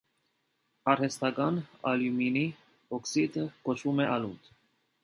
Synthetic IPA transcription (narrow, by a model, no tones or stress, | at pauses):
ɑɾhɛst̪ɑkɑnɑ̰ljumini | ɔksid̪əkɔt͡ʃʰvumɛʔɑlut̪